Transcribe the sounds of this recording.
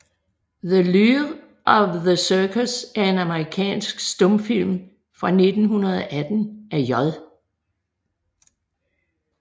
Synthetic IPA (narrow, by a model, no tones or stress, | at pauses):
ðəliʁ | ʔɒʋðəsœːkʰəsæɐe̝næməʁikʰɛ̰ːnsɡ̥sd̥ɔ̽mfil̰m | fʁɑ̈ne̝d̥n̩ɦunɐð̞̩ˠɒʔæd̥n̩æɐjɒðˠ